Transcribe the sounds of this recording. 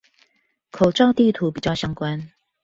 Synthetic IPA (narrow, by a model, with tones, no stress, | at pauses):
kʰo˨˩ʊʈ͡ʂɑ˥˧ʊt̪i˥˨t̪ʰu˨˦p̬i˨˩t͡ɕjɑ˥˩ʊɕjɑ˥ŋkwa˦n